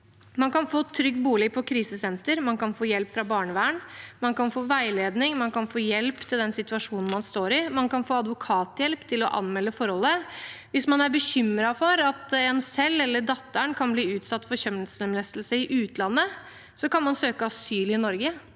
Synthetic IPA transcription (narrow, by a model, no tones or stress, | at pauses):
mɑnkɑnfoːt̪ʰɾʏɡ̪̚buːlɪpʰɔkʰɾiːsəsɛnt̪əɾmɑnkɑnfoːjɛlpfɾɑbɑːɳəʋæːɳmɑnkɑnfoːʋæɪleːd̪nɪŋmɑnkɑnfoːjɛlpt̪ʰɪld̪ɛnsɪt̪ʉɑʂuːnn̩mɑnst̪oːɾɪmɑnkɑnfoːɑd̪ʋʊkʰɑːt̪jɛlpt̪ʰɪlɔ̰ʔɑ̰nmɛlːəfɔɾhɔlːəʋɪsmɑnæɾbəɕʏmːɾɑfɔɾɑt̪ɛnsɛlːɛlːəɖɑt̪ːæɳkʰɑnbliːʉːt̪sɑt̪ːfɔɾɕœmsɛmlɛst̪lsəɪʔʉːt̪lɑnːə | sɔkɑnmɑnsøːkəɑsyːlɪɪnɔɾɡə